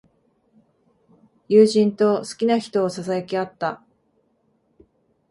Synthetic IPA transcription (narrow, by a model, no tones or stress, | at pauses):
jɯːʑĩnt̪o̞sɨ̥kʲinaçi̥t̪o̞ːsasajokʲiat̪ːa